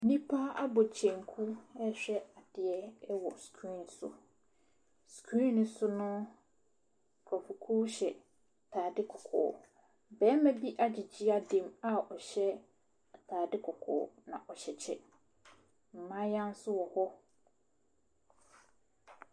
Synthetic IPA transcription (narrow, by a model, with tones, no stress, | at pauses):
nĩ˦pʰa˦a˦bɔ˨t͡ɕʰɛ̃˨ŋ˨kʰu˦ɛ˦ɕᶣɛ˦a˨d̥ɪ˨ɛ˦wɔ˨skʰɾĩ˦˨nsʊ̰˦ | skʰɾĩ˦ñ˦sʊ˦nʊ̃˦˨ | kʰɔ˨fu˨kʰu˦ɕɛ˨ | tʰaː˨dɪ˦kʰʊ˨kʰʊ̰ː˨ | bɛ˦mɛ̃˦bi˦ʔa˦d͡ʑi˨d͡ʑi˦a˦dẽ˨ma˦ɔ˨ɕɛ˦˨ | tʰaː˨dɪ˦kʰʊ˨kʰʊ̰ː˨nã̰˨ʔɔ˨ɕɛ˨t͡ɕʰɛ̰˦ | m̩˨mã˦jã˦n˦sʊ˦wɔ˨hɔ˦